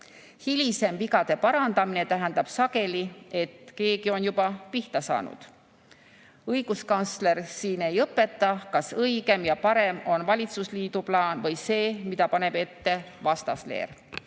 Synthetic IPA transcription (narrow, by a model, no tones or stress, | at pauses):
hilʲise̞mpikɑd̪̥e̞pɑɾɑnd̪̥ɑmine̞t̪æɦɛnd̪ɑb̥sɑɡ̥e̞lie̞t̪ke̞ːɡ̥io̞njubɑpiht̪ɑsɑ̰ːnṵd̪̥ | ɤjɡ̥uskɑnt̪sle̞ɾsiːne̞jɤpːˑe̞t̪ːɑkɑsɤiɡ̥e̞mjɑpɑɾe̞mo̞nvɑlʲit̪susliːd̪uplɑːnvɤjse̞ːmid̪̥ɑpɑne̞b̥e̞t̪ːe̞ | vɑst̪ɑslḛːr